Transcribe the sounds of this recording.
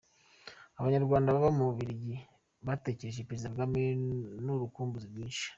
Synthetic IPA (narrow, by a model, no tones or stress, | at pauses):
aβaɲaɾɡwaːndaβaβamuβuβiɾiɟi | βate̞ːce̞ɾe̞ʒepeɾezidaβɡaminuɾukuːmbuziɾɡiːnʃi̥